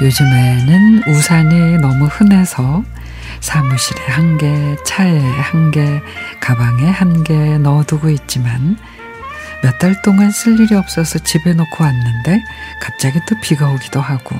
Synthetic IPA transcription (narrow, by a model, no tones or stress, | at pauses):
jod͡ʑɯme̞nɯnusʰaninʌmuhɯne̞sʰʌ | sʰamuɕʰiɾe̞hanɡe̞t͡ɕʰaehanɡe̞kabaŋe̞hanɡe̞nʌduɡoit̚t͡ɕ͈iman | mjʌtt͈aɭt͈oŋansʰɯʎːiɾiʌp̚s͈ʌsʰʌt͡ɕibe̞nokʰowanːɯnde̞kap̚t͡ɕ͈aɡit͈opiɡaoɡidohaɡ̥o